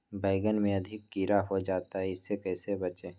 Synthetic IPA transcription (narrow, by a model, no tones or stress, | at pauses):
bʱaɪɡənmẽɐd̪ʱɪkːiːɾaɦod͡ʒaːt̪aɦɛɪsːekɛːsebɐt͡ʃeː